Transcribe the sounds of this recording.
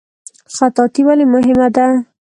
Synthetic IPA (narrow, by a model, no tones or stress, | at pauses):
xat̪ɑt̪iwalemʊɦɪmad̪a